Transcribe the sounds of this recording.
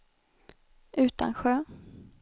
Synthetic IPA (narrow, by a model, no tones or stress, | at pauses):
ʔʉ̟ːt̪a̰nɧøː